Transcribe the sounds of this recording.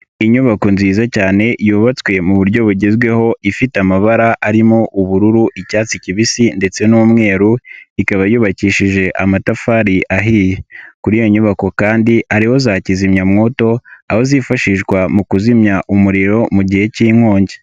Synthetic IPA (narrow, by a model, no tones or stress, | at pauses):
iɲuβako̞nziːzacaːne̞juːβat͡swe̞muβuɾɟo̞βuɟezɡwe̞ho̞ifiteamaβaɾaʔaɾimo̞ʔuβuɾuɾuʔicaːt͡siciβisinde̞t͡se̞numŋe̞ːɾuikaβajuːβaciːʃiʒe̞ʔamatafaːɾiʔaɦiːjekuɾijo̞ɲuβako̞kaːndiʔaɾiho̞zaːcizimɲamŋo̞ːto̞aho̞zifaʃiʃɡwamukuzimɲaʔumuɾiɾo̞muɟihe̞ciːŋ̥hoːɲɟe